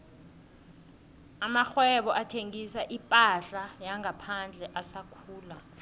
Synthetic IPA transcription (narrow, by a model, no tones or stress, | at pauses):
amaxwɛɓɔʔatʰeŋisaʔipʼaɬajaŋʱapʰand͡ɮʱɛʔasakʰuːla